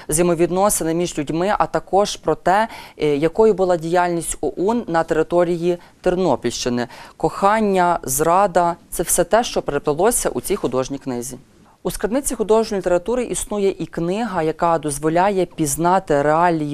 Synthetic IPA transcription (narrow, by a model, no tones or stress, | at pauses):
zjemɔʋʲid̪nɔsenɪmʲiʒlʲudʲmɪʔɐt̪ɐkɔʒ̥pɾɔt̪ɛjɐkɔjʊbʊlˠɑdʲijalʲnʲisʲtʲɔʔunːɐt̪eɾɪt̪ɔɾʲiji | t̪ernɔpʲilʲʃt͡ʃɪnɪkɔxɑnʲːɐzɾɑd̪ɐt̪sɛwsɛt̪ɛʃt͡ʃɔpeɾept̪ˠɐlˠɔsʲɐ̰ʔut͡sʲijxʊd̪ɔʒnʲijknɪzʲi | uskɐd̪nɪt͡sʲixʊd̪ɔʒnʲɔlʲt̪ʲeɾɐt̪uɾɪʔisnujɛʔiknɪɦɐjɐkɑd̪ɔzʋɔlʲɑjɛpʲiznɑt̪ɪɾeɑlʲiji